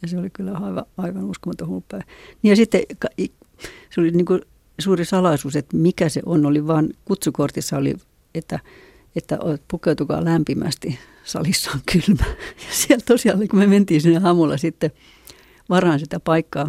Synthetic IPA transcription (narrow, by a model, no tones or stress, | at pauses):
jɑseolikylːæɑiʋɑ̰ɑiʋɑnuskomɑt̪ohuupːæiniːjɑsit̪ːekɑi | seoliniːŋku | suːrisɑlɑisuːset̪mikæsḛʔonoliʋɑːnkut̪sukort̪isːɑolḭ | et̪ːæ | et̪ːæ̰ʔopukeut̪ukɑ̰ːlæmpimæ̰st̪i | sɑ̰lisːɑ̥ːŋkʰylmæjɑsiælt̪osiɑlːekumement̪iːsinːeɑmulːɑ̰sit̪ːe | ʋɑrhɑnsit̪æpɑikːɑː